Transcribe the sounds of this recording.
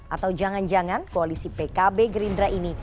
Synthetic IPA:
ʔat̪awd͡ʒaŋand͡ʒaŋankoalisipekabeɡɾindɾaʔini

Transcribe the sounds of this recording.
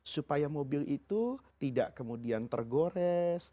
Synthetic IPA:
supajamobɪlit̪ut̪ida̰ʔkəmudiant̪ə̰rɡoɾɛs

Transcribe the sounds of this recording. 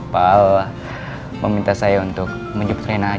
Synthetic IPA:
pal | məmint̪asajaunt̪ʊk̚ | məɲd͡ʒup̚t̪ɾena

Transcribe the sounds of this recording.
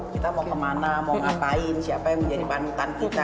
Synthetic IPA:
kit̪amɔkəmanamɔŋapaɪnsiapajaŋməɲd͡ʒadipanut̪ankit̪a

